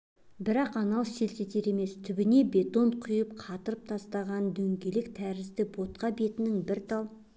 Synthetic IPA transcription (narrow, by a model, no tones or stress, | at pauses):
bɪɾɑqɑnɑlˠse̞lse̞t̪e̞ɾe̞me̞st̪ʰʏbɪne̞be̞t̪o̞nqʰʊjəp̚qʰɑt̪əɾəp̚t̪ʰɑst̪ɑʁɑnd̪ɵŋɡʲe̞lɪkt̪ʰæɾɪzd̪ɪbo̞t̪̚qɑbe̞t̪ɪnɪŋbɪɾt̪ʰɑlˠ